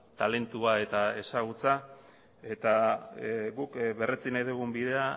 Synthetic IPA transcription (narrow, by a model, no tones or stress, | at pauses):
t̪ale̞nt̪uae̞t̪ae̞saɣ̞ut͡sa | e̞t̪a | ɣukβe̞ret͡sinajðuɣumbiðe̞a